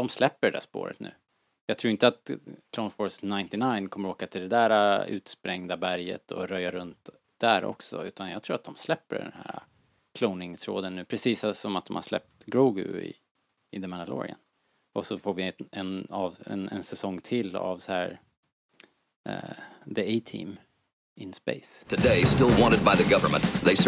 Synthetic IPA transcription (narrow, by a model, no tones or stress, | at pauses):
d̪ɔmslɛpːəɖɛdæ̰ʂpo̰ːɾə̰t̪nʉ̟̰ː | jɑɡt̪ʰɾuːɾɪnt̪əat̪kʰloʊnfɔɾsnaɪnt̪ɪnajnkʰɔmːəɾoːkat̪ʰɪld̪ɛd̪æːɾaʉ̟ːt̪spɾɛŋd̪abæɾjə̰t̪ʰɔɾœjaɾɵnt̪ | d̪̥æɾɔ̰ksɔ̰ʉ̟ːt̪anjɑɡt̪ʰɾuːat̪̚d̪ɔmslɛpːə̰ɖɛ̰nhæ̰ːɾa̰ | kʰloʊnɪŋt̪ʰɾo̰ːd̪ənːʉ̟ːpʰɾɛsiːsasɔmat̪̚d̪ɔmha̰ʂlɛ̰p̚t̪ɡɾuːɡɵ̰ɪ̰ | ɪd̪ɛmanalo̰ːɾɪ̰ə̰n | ʔɔsɔfoːvɪɛnɑvɛ̰nɛnsɛsɔŋːt̪ʰɪlːa̰vsɛhæːɾ | d̪əeɪt̪ʰḭːm | ɪnspḛɪstʰɨdeɪstɪlˠwɑ̃ntəd̪̚baɪðəɡʌvə˞mə̰̃nt̪ðeɪs